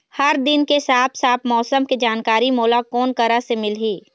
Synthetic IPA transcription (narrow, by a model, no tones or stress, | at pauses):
hɐɾd̪ɪnkesaːpʰsaːp̪̚ʰmɔːsəmked͡ʒaːnkaːɾimoːlakɔːnkəɾasemɪlɦiː